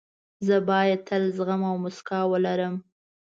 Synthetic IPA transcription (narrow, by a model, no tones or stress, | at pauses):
zəbɑjad̪̚t̪ʰəlzɣamawmʊskɑwəlaɾəm